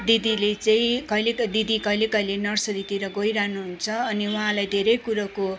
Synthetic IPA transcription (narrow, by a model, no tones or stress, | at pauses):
d̪id̪ilet͡sʌĩkʌjled̪id̪ikʌilekʌjlenʌrsʌɾit̪iɾʌɡojɾaɦnuɦunt͡sʰʌːniuɦãlajd̪ʱeɾʌjkuɾako